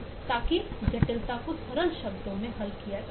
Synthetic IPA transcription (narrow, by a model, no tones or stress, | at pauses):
t̪aːkid͡ʒɐʈɪlt̪akosʰɐɾəlʃɐbd̪õmẽɦɐlkija